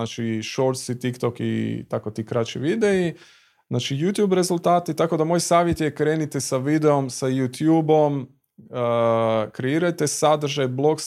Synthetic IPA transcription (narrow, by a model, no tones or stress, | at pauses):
at͡ʃiʃoɾt̪sit̪ikt̪o̞kḭt̪ako̞t̪ikɾat͡ʃḭʋid̪e̞i | znaːt͡ʃijut̪juːbɾe̞zulˠt̪aːt̪it̪ako̞d̪amo̞jsaːʋjet̪jekɾe̞ːnit̪esaʋid̪e̞o̞msajut̪juːbo̞m | əkɾe̞iːɾajt̪esad̪r̩ʒajblˠo̞ks